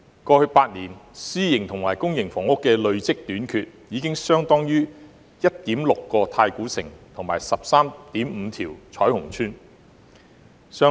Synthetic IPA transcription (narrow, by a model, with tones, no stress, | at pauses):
kɔː˧hɵ˧ɥpaː˧t̚niː˨˩nsiː˥jɪ˨˩ŋt̪ʰʊ˨˩ŋmaː˨˩jkʊ˥ŋjɪ˨˩ŋfɔː˨˩ŋɔː˥kɛː˧lɵ˨˧ɥt͡sɪ˥k̚t̪yː˨˥nkʰyː˧t̚jiː˨˧˥kɪ˥ŋsœː˥ŋt̪ɔː˥ŋjyː˥ | jɐ˥t̚t̪iː˨˥mlʊ˨kːɔː˧t̪ʰaː˧jkuː˨˥sɪ̰˨˩ŋt̪ʰʊ˨˩ŋmaː˨˩jsɐ˨p̚saː˥mt̪iː˨˥mm̩˨˧t̪ʰiː˨˩wt͡sʰɔː˨˥jhʊ˨˩ŋt͡ʃʰyː˥n | sœː˥